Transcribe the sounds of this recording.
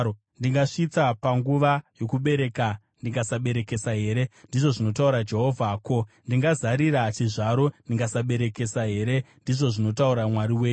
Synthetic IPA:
ndiŋɡaʂit͡sapaŋɡuʋajo̞kuɓe̞ɾe̞ka | ndiŋɡasaɓe̞ɾe̞ke̞saɦe̞ːɾe̞ndiʐo̞ʐino̞tauɾad͡ʒe̞ɦo̞vʱaːko̞ndiŋɡazaɾiɾat͡ʃiʐaɾo̞ndiŋɡasaɓe̞ɾe̞ke̞saɦe̞ːɾe̞ndiʐo̞ʐino̞tauɾamwaɾiweːju

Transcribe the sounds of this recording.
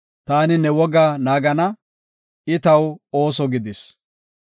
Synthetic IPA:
t̪aːnɪnɛwɔɡaːnaːɡɐnɐ | ɪt̪ɐwoːsɔɡɪd̪ɪs

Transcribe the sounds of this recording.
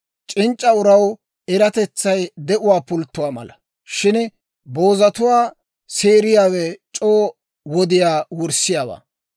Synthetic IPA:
t͡ʃʼɪnt͡ʃʼːɐʊɾɐw | ɛɾɐt̪ɛt͡sːɐjd̪ɛʔʊwaːpʊlt̪ːʊwaːmɐ̰lɐ | ʃɪn | bo̞ːzɐt̪ʊwaː | seːɾɪjaːwɛt͡ʃʼoː | wɔd̪ɪjaːwʊɾsɪjaːwa̰ː

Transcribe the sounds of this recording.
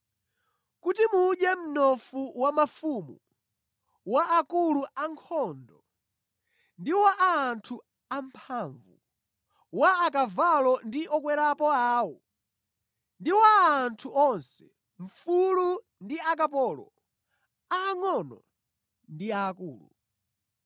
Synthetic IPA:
kutimuːɗɛm̩nɔfuwamafumu | waʔakuluʔaŋkʰɔndɔ | ndiwaʔaːntʰu | am̩pʰaɱvṵ | waːkavalɔndiʔɔkwɛɾapɔaːwɔ | ndiwaːntʰuʔɔnsɛ̥ | ɱ̩fulu | ndiak̬apɔlɔ̰ | aːŋɔnɔ | ndiaːkuːlṵ

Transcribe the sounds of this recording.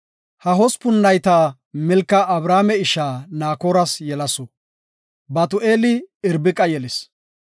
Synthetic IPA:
hɐɦɔspʊnːɐjt̪aː | mɛlkːɐʔɐbɾaːmɛɪʃaːnaːkoːɾɐsjɛlɐsɔ | bɐt̪ʊʔeːlɪɪɾbɪkʼɐjɛlɪs

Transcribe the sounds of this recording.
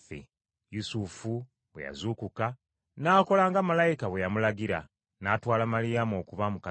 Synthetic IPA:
fḛ | jusufu | βwe̞ja̰zuːkuka | naːko̞laːŋɡamalajikaβwe̞jamulaɡiɾa̰ | naːtwaːlamalijamo̞ːkuβamuka

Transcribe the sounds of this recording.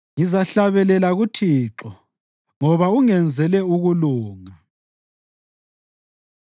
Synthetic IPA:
ŋizaɬaβɛlɛlaɣutʰiːǁɔ | ŋɔβauŋɛnd͡zʱɛlɛuɣuluːŋa

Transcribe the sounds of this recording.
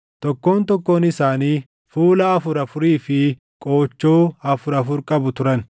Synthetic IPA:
t̪ɔkːo̞ːnt̪ɔkːo̞ːnɪsaːniː | fuːlɐɐfʊɾɐfʊɾiːfɪ | kʼo̞ːt͡ʃːo̞ːɐfʊɾɐfʊɾkʼɐbʊt̪ʊɾɐn

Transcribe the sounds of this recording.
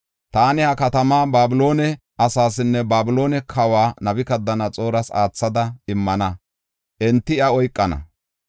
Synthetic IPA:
t̪aːnɪhɐkɐt̪ɐmaːbaːbɪlo̞ːnɛ | ʔɐsaːsɪnːɛbaːbɪlo̞ːnɛkʰɐwaːnɐbɪkɐd̪ːɐnɐt͡sʼo̞ːɾɐsa̰ːt͡sːɐd̪ɐɪmːɐnɐ | ʔɛnt̪ːɪɐɔjkʼːɐnɐ̰

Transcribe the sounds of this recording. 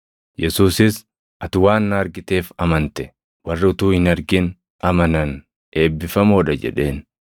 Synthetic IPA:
jɛsuːsɪs | ʔɐt̪ʊwaːnːaːɾɡɪt̪e̞ːfɐmɐnt̪ɛ̥ | wɐrːɪʊt̪uːhɪnɐɾɡɪn | ɐmɐnɐn | ʔe̞ːbːɪfɐmoːᶑɐd͡ʒɛ̰ᶑe̞ːn

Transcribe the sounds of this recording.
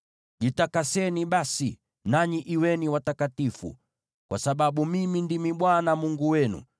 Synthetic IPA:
ʄitakasɛniɓasi | naɲiʔiwɛniwatakatifṵ | kwa̰saɓaɓumimindimiɓwanamuŋɡuwɛnṵ

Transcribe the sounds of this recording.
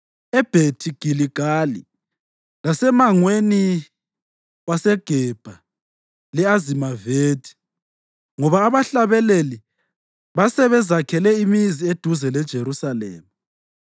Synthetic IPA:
ɛb̥ʱetʰiɡ̥ʱiliɡ̥ʱalḭ | lasɛmaŋweni | wasɛɡ̥ʱɛb̥ʱa | lɛazimaveːd̥ʰʱi̥ | ŋɔβaːβaɬaβɛleli | βasɛβɛzakʰɛlɛimizied̥ʱuzɛlɛd̥ʒ̥ʱeɾusalɛ̰ːma

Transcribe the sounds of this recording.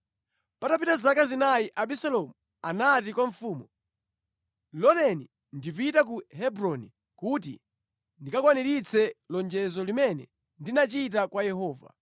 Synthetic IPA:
patapitazakazinajiʔaɓisalɔmu | anat̬ikwaɱfuːmɔ | lɔnɛni | ndip̬itak̬uɦɛbɾɔni | kut̬ḭ | ndikakwaniɾit͡sʰɛlɔnd͡ʒɛzɔlimɛnɛ̰ | ndinat͡ʃit̬akwajɛɦɔːva̰

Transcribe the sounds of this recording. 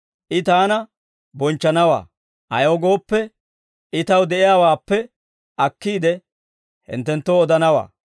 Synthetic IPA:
ʔɪt̪aːnɐ | bɔnt͡ʃːɐnɐwa̰ː | ʔɐjoːɡo̞ːpːɛ | ʔɪt̪ɐwd̪ɛʔɪjaːwaːpːɛ | ɐkːiːd̪ɛ | hɪ̰nt̪ːɛnt̪ːoːɔd̪ɐnɐwa̰ː

